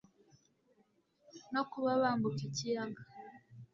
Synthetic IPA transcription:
nokuβaβaːmbukicijaɡa

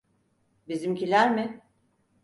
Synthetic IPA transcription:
bizimcilʲæɾmɪ

